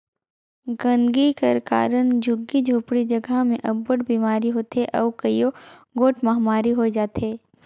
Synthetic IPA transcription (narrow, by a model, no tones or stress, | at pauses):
ɡɐ̃nɡikɐɾka̰ːɾənd͡ʒʊɡːid͡ʒʱoːpɽid͡ʒɐɡəmẽʔɐbːəɽbiːmaːɾiɦoːt̪eʔɔːkɐjoɡoːʈmɐɦmaːɾiɦod͡ʒaːt̪eː